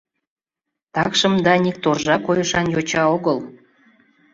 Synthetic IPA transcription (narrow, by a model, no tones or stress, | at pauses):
t̪ɑkʃəmd̪ɑnik̚t̪orʒɑkojəʃɑnjot͡ɕɑoɣəl